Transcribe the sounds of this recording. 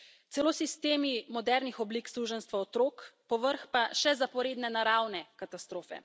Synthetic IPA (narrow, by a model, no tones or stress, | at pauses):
t̪sɛlosist̪eːmimɔd̪ɛɾnixɔbliksɾuʒənst̪ʋaɔt̪ɾoːkpɔʋəɾxpaʃɛzapɔɾeːd̪nɛnaɾawnɛkat̪ast̪ɾoːfɛ̰